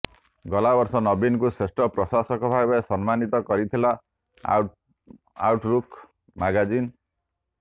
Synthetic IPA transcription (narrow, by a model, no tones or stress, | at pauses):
ɡɔlabɔɾsɔnɔbinkusesʈɔpɾɔsasɔkɔbʱabɔjsʌnmanit̪ɔkɔɾit̪ʰila | awʈɾukʰ | maɡad͡ʒin